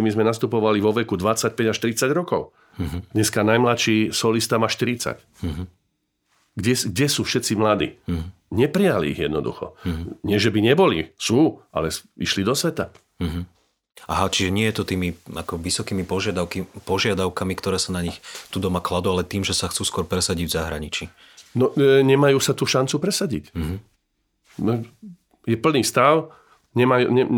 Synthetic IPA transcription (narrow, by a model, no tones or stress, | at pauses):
mizmɛnast̪upɔʋaliʋɔʋɛkud̪ʋat͡sːac̚pɛɟaʃt̪ɾit͡saɟɾɔkɔʊ | ɦd̪ɲɛskanajmlat̪ʃiːsɔlist̪amaʃt̪iɾitt͡sa̰c | ɦ | ɡɟɛsɡɟɛsuːfʃɛt̪t͡simlad̪ḭː | ɲɛpɾijalḭːɣjɛ̰d̪nɔd̪ṵxɔ̰ɲɪɛʒɛbiɲɛbɔlisuːʔa̰lɛsiʃlid̪ɔsʋɛt̪a | ɦ | aɦat͡ʃiʒɛɲɪɛjɛt̪ɔt̪iːmiakɔʋisɔkiːmipɔʒɪad̪aʊkipɔʒɪad̪aʊkamikt̪ɔɾɛːsanaɲixt̪uːd̪ɔmaklad̪ualɛt̪iːmʒɛsaxt͡suːskʊɔɾpɾɛsaɟiɟvzaɦɾaɲit͡ʃi | nɔɲɛmajuːsat̪uːʃant͡supɾɛsaɟḭcɦ | nɔ | jɛpl̩niːst̪aʊ | ɲɛmajṵːɲɛ